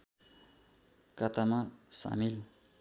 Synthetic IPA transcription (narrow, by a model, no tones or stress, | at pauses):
kʌt̪amasa̰mil